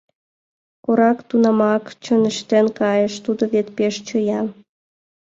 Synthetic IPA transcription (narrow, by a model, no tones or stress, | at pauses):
koɾɑkt̪unɑmɑkt͡ɕənə̆ʃt̪enkɑjəʃt̪ud̪oβet̪peʃt͡ɕojɑm